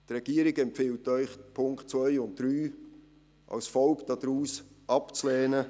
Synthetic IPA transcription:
t̪rɛɡ̥iəɾɪɡɛmpfɪltːœʏχpʰʊŋkχt̚t͡svœʏʊnt̚d̥ɾyː | ʔɑ̰wsfɔlkd̥ɑd̥̪ɾuːs | ʔɑpt͡slɛːnə

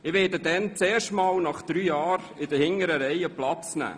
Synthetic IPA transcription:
ɪʋɛːdədɛnt͡sɛːʃtmɑːlnɑχd̥̪ɾyːjɑːɾ | ɪdəhɪŋəɾəɾɛjəplɑt͡snæ̰ː

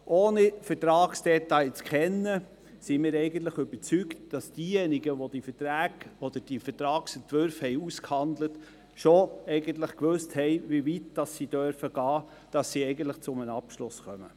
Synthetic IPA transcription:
ʔoːnifəɾtɾɑːksd̥ɛtɑɪt͡skχɛnːə | simiːɾɛɪɡən̩t̪̬ləχʏb̥əɾt͡syktd̥ɑsd̥iːjɛniɡəʋod̥ifətɾæːɡ̥ɔd̪̥əɾd̥ifətɾɑːksɛntʋøɾfhɛjuskhɑndlət | ʃoɛɪɡənt̪ləχkʋɵsthɛɪʋivitd̥ɑsːid̥œɾfəɡ̥ɑː | d̥ɑsːiɛɪɡən̩t̪ləχt͡sʊmənɑpʃlʊsχœmə̰

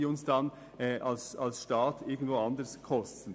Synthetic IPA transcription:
iʊnsd̥ɑn | ʔɑlsɑlsʃtɑːtʰɪɡn̩d̥ʋoːɑnd̪əɾskʰɔstn̩

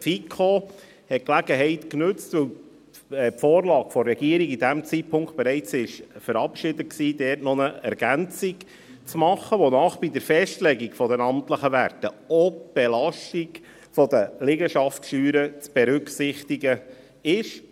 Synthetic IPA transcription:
fikʰo | hɛt̚klæɡəɦɛɪtknʉt͡stvʋɵw | pfoːrlɑːɡ̥fɔɾɛɡ̥iəɾiɡid̪æmt͡sit̚pʰʊŋkt̚b̥eɾɛɪt͡sɪʃfəɾɑpʃɪd̪ət̚ksiːdɛːɾtnɔnəɛ̰ɾɡ̥ænt͡siɡ | t͡smɑχːəʋonɑːχb̥id̪əɾfɛʃtlɛɡikfɔdənɑmtləχəʋærtə | ɔb̥elɑʃtik | fɔd̪əlɪɡəʃɑftʃyːɾət͡sb̥ɛɾʉksɪχt̪iɡə | ɪʃ

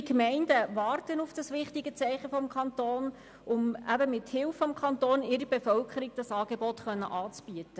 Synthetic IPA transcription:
ikmɛɪndəʋɑːrtənufd̥ɑsʋɪχtɪɡət͡sɛɪχəfɔmkʰɑntoːn | ʔʊmæbəmɪthɪlfɔmkʰɑntoːnɪɾəbefœlkʰəɾiɡ̚d̥ɑsɑːɡ̥ebɔtχœnːə̰ʔɑːt͡sb̥yətə

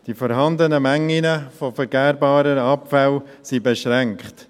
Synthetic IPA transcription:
d̥ifɔɾɦɑndənəmæŋːinəfofəɾɡɛːɾbɑːɾəɑpfæl | sibeʃɾɛŋkχt

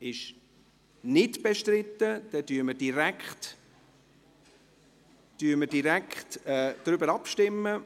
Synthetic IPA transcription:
ɪʃ | nɪtb̥eʃtrɪtːəd̥ɛdyːɾməd̥iɾækχt | d̥yːməd̥iɾækχtɛd̪̥ɾʏbəɾɑpʃtɪmːə

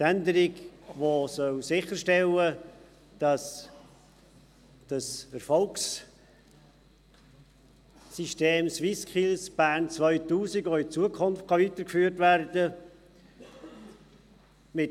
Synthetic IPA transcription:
tændəɾiɡʋosœwsɪχəʃtɛlə | d̥ɑs | d̥ɑsəɾfɔlks | iʃteːmswiskχilsb̥æːrnt͡svœʏtuːsiɡoɪt͡suəkʰʊnftkʰɑʋit̪əɾkfyːəɾtværd̥ə | mɪt

